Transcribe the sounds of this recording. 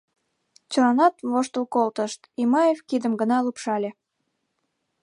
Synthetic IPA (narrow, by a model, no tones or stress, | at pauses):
t͡ɕəlɑnɑt̪βoʃt̪əlkolt̪əʃt̪imɑjevkid̪əmɡənɑlupʃɑlʲe